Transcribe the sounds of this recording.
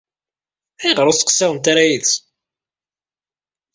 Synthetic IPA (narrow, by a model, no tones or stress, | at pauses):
æjʁəɾˤʊsə̥qsːɪʁənt̪aɾæjiðs